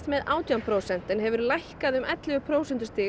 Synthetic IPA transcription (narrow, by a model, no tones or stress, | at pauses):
t̪mɛðaːwt̪jampʰɾoːwsɛn̥t̪ɪnɦɛvʏɾlajhkaðʏmʔɛt̪lɪvʏpʰɾoːwsɛnt̪ʏst̪ɪː